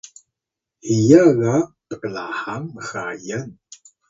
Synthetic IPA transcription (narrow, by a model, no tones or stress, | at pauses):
hijaɣatəklahaŋməxajən